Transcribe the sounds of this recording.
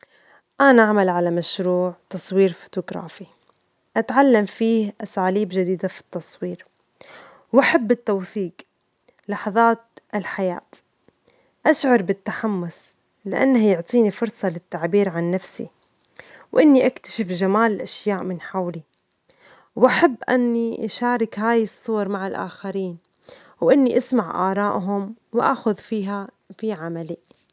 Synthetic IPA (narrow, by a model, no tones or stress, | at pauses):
ʔanaʔaʕmalʕalamaʃɾuːʕt̪ɑsˤwiːɾfo̥t̪ʊɡɾˤɑ̰ːfi | ʔat̪ʕalːamfiːhʔasaːliːbʒad̪iːd̪afi̥t̪ːɑsˤwiːɾ | wʔaħabːɪt̪ːawθiːq | lɑħɑðˤɑːt̪̚ʔɪlħaja̰ːt̪ | ʔaʃʕɑɾˤbɪt̪ːaħamːʊs | lɪʔa̰nːahajʊʕt̪ˤiːnifʊɾsˤɑlɪt̪ːaʕbiːɾʕanːafsḭ | wʔɪnːiʔakt̪ḁʃɪfʒamaːlɪlʔaʃjaːʔmɪnħawli | wʔaħabːʔa̰nːiʔaʃaːɾɪkhaːjɪsˤːuwɑɾˤmaʕalʔa̰ːxaɾiːn | wʔɪnːiʔasmaʕʔɑ̰ːɾˤɑːʔɦʊmwʔa̰xʊðfiːɦa | fiʕamali